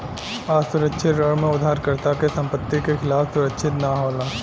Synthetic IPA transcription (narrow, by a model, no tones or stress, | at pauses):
aːsʊɾəkʃʰɪt̪ɾəɭmẽʊd̪ʱaːɾkəɾt̪akesɐ̃mpət̪ːikexʰɪlaːfsʊɾəkʃʰɪt̪naɦoːlaː